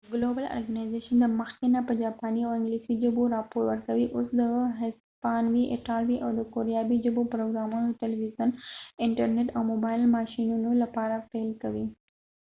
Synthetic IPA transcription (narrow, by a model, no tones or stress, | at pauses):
əɡlobəla̰ɾɡanajzeʃənd̪əməxkenapəd͡ʒapaniawɪŋɡlisid͡ʒʊboɾapoɾwəɾkɐʋiʔosd̪əɦɪs | paːnwiʔḛʈalwiʔawd̪əkoɾjabid͡ʒʊbopɾoɡɾamunot̪ɪlʋizənɪɳʈəɾneʈawmobaɪlmaʃinunolapaɾafelkɐwi